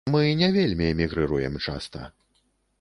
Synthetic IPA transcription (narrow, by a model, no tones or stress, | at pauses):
mɨnʲɛvʲelʲmʲiɛmʲiɣɾɨɾujɛmt͡ʂa̰st̪ɐ̰